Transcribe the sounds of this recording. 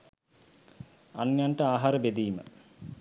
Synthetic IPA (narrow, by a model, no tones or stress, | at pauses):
anjaɳʈəaːɦaɾəbed̪iːmə̰